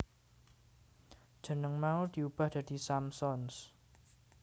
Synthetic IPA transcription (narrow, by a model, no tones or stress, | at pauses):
d̥d͡ʒ̥ə̤nəŋmaud̪̥iub̥a̤hd̪̥ä̤d̪̥i̤samsɔns